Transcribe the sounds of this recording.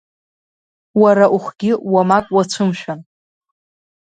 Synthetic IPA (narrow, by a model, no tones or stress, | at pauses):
waɾaʔuχʷɡʲɪwamakʷʼwat͡sʷʰɨmʃᶣan